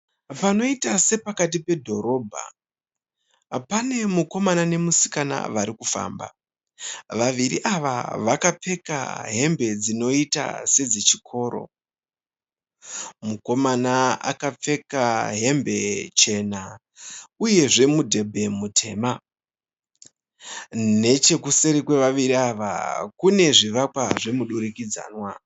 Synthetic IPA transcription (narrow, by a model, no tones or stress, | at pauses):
pano̞itase̞pakat̬ipe̞dʱo̞ɾo̞ːbʱa̰ | pane̞muko̞manane̞musi̥kana̰ʋaɾikufa̰ːmba̰ | ʋaʋiɾiʔaʋa̰ʋakap͡fe̞ka̰ɦe̞mbe̞d͡zino̞ita̰se̞d͡zet͡ʃikʰo̞ːɾo̞̰ | muko̞manaa̰kap͡fe̞kaɦe̞mbʱe̞t͡ʃe̞na | uje̞ʐe̞mudʱe̞bʱe̞mutʰe̞ːma | ne̞t͡ʃe̞kuse̞ɾikwe̞ʋaʋiɾiaʋa̰kune̞ʐiʋakwaʐe̞muɗuɾikid͡za̰ːnwa